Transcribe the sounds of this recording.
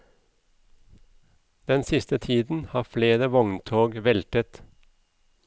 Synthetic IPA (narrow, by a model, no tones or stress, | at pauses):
d̪̥ɛnsɪst̪ət̪ʰiːd̪n̩hɑːfleːɾəʋɔŋnt̪ʰoːɡʋɛlt̪ət̪